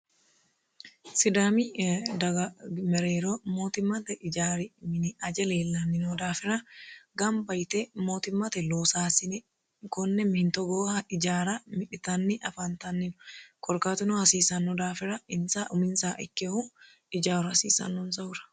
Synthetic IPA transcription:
sɪd̪aːmid̪ɐɡɐmɛɾeːɾoːmoːt̪ɪmːɐt̪ɛʔɪd͡ʒaːɾɪmɪnɪɐd͡ʒɛleːlːɐnːɪnod̪aːfɪɾɐɡɐmbɐjt̪ɛmoːt̪ɪmːɐt̪ɛloːsaːsɪnɛ | kɔnːɛmɪhɪnt̪ɔɡoːhɐɪd͡ʒaːɾɐmɪᶑɪt̪ɐnːɪʔɐfant̪ɐnːɪnʊ̥kʼɔɾkaːt̪ʊnohɐsiːsɐnːɔd̪aːfɪɾɐɪnsaːʔʊmɪnsaːʔɪ̰kːeːhu | ɪd͡ʒaːɾʊɐsḭːsɐ̰nːʊnsɐʊɾɐ̥

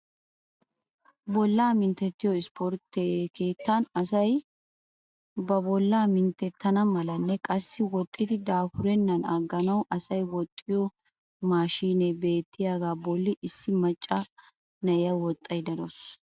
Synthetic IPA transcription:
bɔlːaːmɪnt̪ːɛt̪ːɪjɔɪspʰɔɾt̪eke̞ːt̪ːɐnɐsɐj | bɐbɔlːaːmɪnt̪ːɛt̪ːɐnɐmɐlɐnːɛkʼɐsːɪwɔt̪ʼːɪd̪ɪd̪aːfʊɾɛnːɐnɐɡːɐnɐwɐsɐjwɔt̪ʼːɪjɔ | maːʃiːnɛbe̞ːt̪ʰːɪjaːɡaːbɔlːɪʔɪsːɪmɐt͡ʃʼːɐ | nɐɪjɐwɔt̪ʼːɐjd̪ɐɾɔs

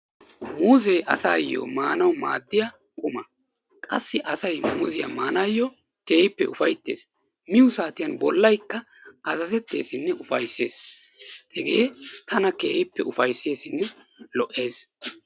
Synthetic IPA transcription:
muːzɛjʔɐ̰saːjːɔ̰ːmaːnɐwma̰ːd̪ːɪjɐ | kʼʊmɐ | kʼɐsːɪʔɐsɐjmʊzɪjɐ̰maːnajːɔ | ke̞ːɪpːɛʊfɐjt̪ːe̞̰ːs | mɪjʊsaːt̪ɪjɐnbɔlːɐjkːɐ | ʔɐsɐsɛt̪ːe̞ːsɪnːɛʔʊfɐjsːe̞ːs | t̪ɛɡeːt̪ɐnɐkeːhɪpːɛʔʊfɐjsːe̞ːsɪnːɛ | lɔʔe̞ːs

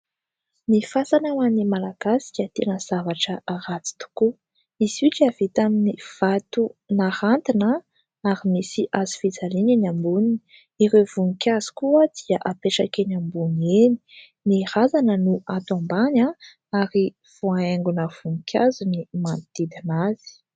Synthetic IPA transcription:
nifasanawanimalaɡ̥asi̥kʲət̪enəz̥avaʈ͡ʂəaɾat͡si̥t̪u̥ku | iz̥iʈ͡ʂav̥it̪aminiv̥at̪unahant̪inə | aɾimisiʔazi̥fid͡zalinanambuni | iɾevuŋikʲaz̥i̥kuad̪̥iaʔapeʈ͡ʂakenambuneni̥ | niɾazanənuat̪ambaɲa | aɾi | v̥oaeŋɡunəv̥uŋikʲʰazunimant̪ed̪anaz̥i̥

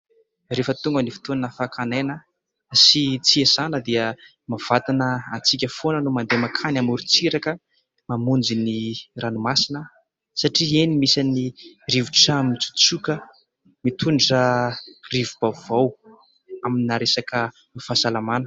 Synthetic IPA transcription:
refət̪uŋɡənifi̥t̪onnəfakʰanenə | sit͡siesanəd̪iə | mav̥at̪anəant͡sikʲəfonənumand̪emakʰanamuɾit͡siɾakə | mamund͡ziniranumasinə | saʈ͡ʂienimisaniriviʈ͡ʂamiit͡su̥t͡sukə | mit̪ʰuɳʈ͡ʂərivub̥avaw | aminaɾesakə | mifasalamanə

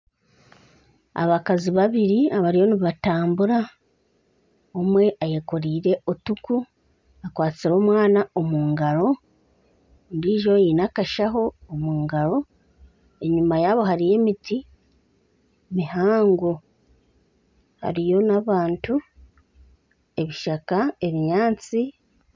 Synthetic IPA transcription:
a̰βakaziβaβiɾiaβaɾijo̞niβataːmbuɾa | omwe̞ʔaje̞koɾiːɾe̞otuku | akwaːt͡siɾo̞ːmwaːnao̞muːŋɡaɾo̞ | ndiːʒo̞jinakaʃaɦo̞omuːŋɡaɾo̞ | e̞ɲumajaːβo̞ɦaɾije̞miti | mihaːŋɡo | ha̰ɾijo̞naβaːntu | e̞βiʃakae̞βiɲaːt͡si

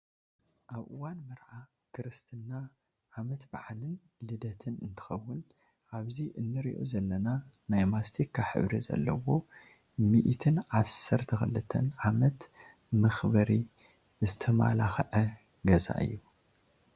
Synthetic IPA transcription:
ʔaβʔɨwanmɨɾʕa | kʰɨɾɨst̪ʰɨnːa | ʕamɐt̪baʕlɨn | lɨd̪ɐt̪ʰɨnɨnt̪ʰɨ̥xɐwːʊn | ʔaβziʔɨnːɨɾḭʔo̞̰zɐlːɐna | najmast̪ʰikʰːaħɨ̰βɾizɐ̰lːɐ̰wo̞ | miʔt̪ʰɨnʕasːɐɾt̪ʰɐxɨlːɨt̪ʰːɐ̰nʕamɐt̪ | mɐxbɐɾi | zɨt̪ʰɐma̰laxʕɐ | ɡɐza̰ʔɨ̰jːu

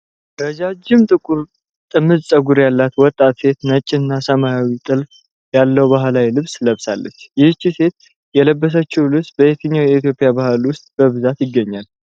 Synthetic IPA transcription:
ɾəd͡ʒad͡ʒɪmt̪ʼɨkʼuɾ | t̪ʼɨmːɨzsʼəɡuɾjalːat̪wɔt̪ʼːat̪se̞t̪nət͡ʃʼːɪnːasəmajawit̪ʼɨl | jalːəwbaɦlajlɨβsləβsalːət͡ʃːjɪhɨt͡ʃːise̞t̪ | jɛləbːəs̬ət͡ʃːuwlɨβsbəet̪ʰəɲːawjɛit̪jo̞pʼːɪjabahɨlwʊst̪ʼbəβɨzat̪jɪɡːəɲːal

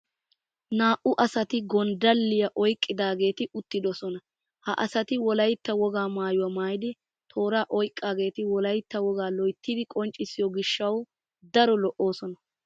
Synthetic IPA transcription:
naːʔʊʔɐsɐt̪ɪɡɔnd̪ɐlːɪjɐʔɔjkʼːɪd̪aːɡe̞ːt̪ɪʔʊt̪ːɪd̪ɔsɔnɐ | hɐ̰ʔɐsɐt̪ɪwɔlɐjt̪ːɐwɔɡaːmaːjʊwɐmaːjɪd̪ɪ | t̪ʰo̞ːɾaːʔɔjkʼːaːɡe̞ːt̪ɪwɔlɐjt̪ːɐwɔɡaːlɔjt̪ːɪd̪ɪkʼɔnt͡ʃʼːɪsɪjɔɡɪʃːɐw | d̪ɐɾɔlɔʔːo̞ːsɔnɐ

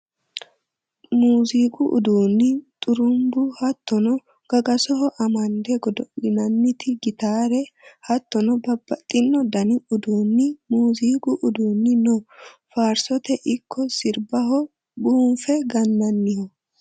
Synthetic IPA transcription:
muːziːkʼʊʔʊ̰d̪uːnːɪt̪ʼʊɾʊmbʊhɐt̪ːɔnɔ | ɡ̥ɐɡɐsɔɦɔʔɐmɐnd̪ɛɡɔd̪ɔɪnɐnːɪt̪ɪɡɪt̪aːɾɛhɐt̪ːɔnɔbɐbːɐt̪ʼːɪnːɔd̪ɐnɪʊd̪uːnːɪmuːziːkʼʊʔʊd̪uːnːɪnɔfaːɾsɔt̪ɛʔɪkʰːɔsɪɾbɐɦɔ | buːɱfɛɡɐnːɐnːɪhɔ

